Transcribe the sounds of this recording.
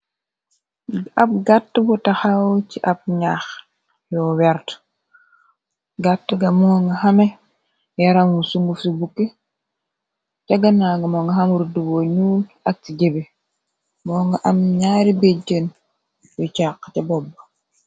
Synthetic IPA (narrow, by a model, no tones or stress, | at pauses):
ap̚ɡatːbutaxawt͡ʃiʔab̚ɲax | jowɛɾt | ɡatːɡamoŋɡahame | jaɾamwusuŋɡufubukːe | t͡ʃaɡanaɡamoŋɡaɦamuɾduwoɲuːlak̚t͡ʃiɟebe | moŋɡaʔamɲaɾibeɟen | wut͡ʃakt͡ʃabobːa